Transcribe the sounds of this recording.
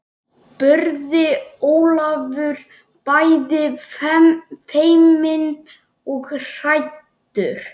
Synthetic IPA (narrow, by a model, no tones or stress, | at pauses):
pœɾðɪoːwlavʏɾ̥ | pajðɪfɛmfejmɪn | ɔɣr̥ajt̪ː | ʏɾ̥